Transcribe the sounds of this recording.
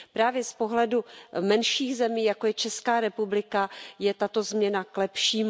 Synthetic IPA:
pɾaːvjɛspo̞ɦlɛdumɛnʃiːɣzɛmiːjakojɛt͡ʃɛskaːɾɛpublɪkajɛt̪at̪o̞zmɲɛnaklɛpʃiːm

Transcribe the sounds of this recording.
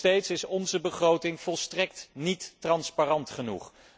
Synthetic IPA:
tejtsɪsɔnzəbəχrowtɪŋv̥ɔlˠstrɛktnitːrɑnsparɑntχənṵχ

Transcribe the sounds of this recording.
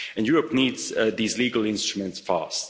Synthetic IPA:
ɨ̃njuɹəpniːdz̥ðizliɡəlˠɪ̃nstɹəmə̃ntsfa̰st

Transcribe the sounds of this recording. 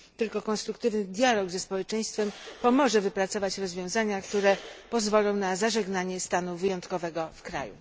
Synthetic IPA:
t̪ɘlkɔkɔnst̪ɾukt̪ɘvnɘd̪ʲjalɔɡzɛspɔwɛt͡ʂɛj̃st̪fɛmpɔmɔʐɛvɘpɾat̪sɔvat͡ɕɾɔzvʲjɔ̃w̃zaɲakt̪uɾɛpɔzvɔlɔ̃w̃nazaʐɛɡnaɲɛst̪anuvɘjɔnt̪kɔvɛɡɔfkɾa̰jṵ

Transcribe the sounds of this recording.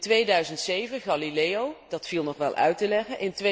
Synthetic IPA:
tʋejdœɥzəntsejvəχɑlilejowdɑtfilˠnɔχʋɛ̰lˠʔœ̰ɥtəlɛχənʔɪntʋe

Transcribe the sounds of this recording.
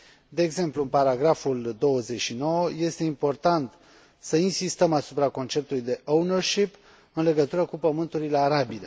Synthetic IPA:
d̪e̞ːɡze̞mpluɨnpaɾaɡɾafuld̪o̞wəze̞t͡ʃʃino̞wəje̞st̪e̞impo̞rt̪ant̪ | səinsist̪əmasupɾako̞nt͡ʃe̞p̚t̪ulujd̪e̞ʔounərʃip | ɨnle̞ɡət̪uɾəkupəmɨnt̪uɾile̞aɾabile

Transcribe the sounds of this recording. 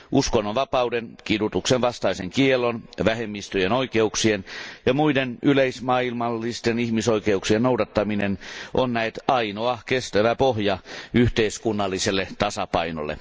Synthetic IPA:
ʔuskonːoʋʋɑpɑudenkidut̪uksenʋɑst̪ɑiseŋkielːˑonʋæhemːist̪øjenoikeuksienjɑmuidenʔyleismɑilmɑlːist̪enihmisoikeuksiennoudɑt̪ːɑminenʔonːnæet̪ɑinoɑkest̪æʋæpohjɑyht̪eiskunːɑlːiselːet̪ɑsɑpɑino̰lːˑḛ

